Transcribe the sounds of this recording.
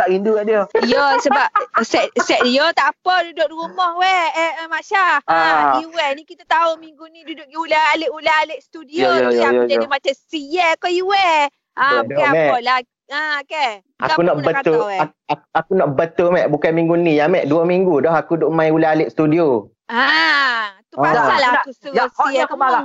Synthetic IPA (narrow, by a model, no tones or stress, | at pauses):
t̪aʔinduɡaʔdiɔjosəbap̚sɛʔsɛʔjot̪aʔapɔdudoʔrumɔhwɛɛmaʃa | uwɛnikit̪at̪aumiŋɡunĩdudʊʔulaaleʔulaaleʔst̪udiojjd͡ʒadimat͡ʃasijɛkɔjuwɛ | adɔamɛɔla | əoke | ʔa̰akunɔʔbəktat̪ʊɛa | akuʔakunɔʔbət̪ʊmɛʔbukanmiŋɡunijamɛʔduəmiŋɡudɔɦakudoʔmãjulaaleʔst̪udio | a | t̪uaalaakususɔiak̪ubaa